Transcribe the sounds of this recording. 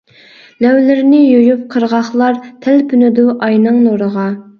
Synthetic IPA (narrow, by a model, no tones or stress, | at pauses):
lɛwlɪɾnɪjojyp̚qʰəɾʁɑχlˠɑɾt̪ʰælpʰynyd̪uʔɑjnɨŋnoɾəʁɑ